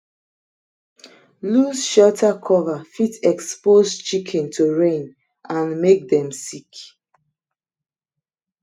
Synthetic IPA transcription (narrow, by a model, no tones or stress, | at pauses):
luzʃɔtʰakʰɔvafitɛkspozt͡ʃikʰɛ̃ntʰoɹẽn | ãnmek̚dɛ̃msik